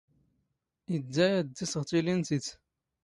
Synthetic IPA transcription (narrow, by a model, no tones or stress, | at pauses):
id̪ːæjæd̪ːisəʁt̪ˤilint̪it͡s̪